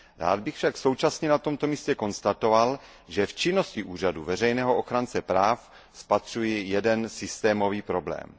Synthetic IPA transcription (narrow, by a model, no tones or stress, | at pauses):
ɾa̰ːd̪̚bɪxfʃakso̞wt͡ʃasɲɛnat̪o̞mt̪o̞miːscɛko̞nst̪at̪o̞val | ʒɛft͡ʃɪnːo̞scɪʔuːr̝aduvɛrɛjnɛːɦoʔoxɾant͡sɛpɾaːf | spat̪r̝̥ujɪjɛdɛnsɪst̪ɛːmo̞viːpɾo̞blɛ̰ːm